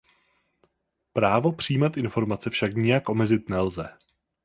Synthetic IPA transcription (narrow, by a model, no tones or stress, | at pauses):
pɾaːvo̞pr̝̥ijmat̪ʔɪnfo̞ɾmat͡sɛfʃakɲɪjakʔo̞mɛzɪt̪nɛlzɛ